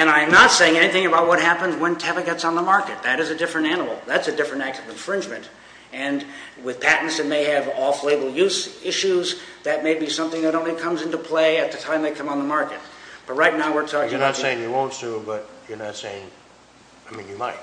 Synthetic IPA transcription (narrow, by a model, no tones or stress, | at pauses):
ɨ̃ɾ̃ãɪ̃mnətseɪɪ̃ŋɛñiθɪ̃ŋɨbaʊt̚wʌt̚ɦæpɨ̃nzwə̃ntʰɛvɨɡɛtsn̩ðəmɑɹkɨt̪̚ðɨɾɨzɨdɪfɹɨ̃ntænəl̩ˠðætsɨdɪfɹɨ̃ntæk̚tʌvɨ̃ɱfɹɪ̃nd͡ʒmɨ̃nt | ɨ̃nwɪð̥pʰæʔn̩tsðɨt̚meɪɨvɔfleɪbl̩ˠjʉzɪʃʉzðɨt̚meɪbisʌ̃mθɪ̃ŋðɨɾõʊ̃nlikʰʌ̃mzɪ̃ntupʰl̥eɪɨt̪̚ðɨtʰãɪ̃mðeɪkʰʌ̃m̃nðəmɑɹkɨt̚b̥ʌt̚ɹaɪtⁿnaʊwɪɹtʰɔkɪ̃jənətsseɪɪ̃ŋjɨwõʊ̃ntsubʌt͡ʃə˞nɨtseɪɪ̃ŋ | aɪmĩnjɨmaɪt̚